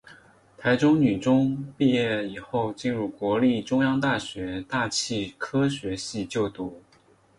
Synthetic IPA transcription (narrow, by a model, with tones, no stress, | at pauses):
t̪ʰa˧˥ɪʈ͡ʂʊ˥ŋny˨˩ʈ͡ʂʊ˥ŋpi˥˧jɛ˥˩i˨˩xo˥˧ʊt͡ɕi˥˧nɻu˥˩kwɔ˧˥li˥˩ʈ͡ʂʊ˥ŋjɑ˥ŋt̪a˥˩ɕɥɛ˧˥t̪a˥˧t͡ɕʰi˥˩kʰɤ˥ɕɥɛ˧˥ɕi˥˧t͡ɕjo˥˩ʊt̪u˥˩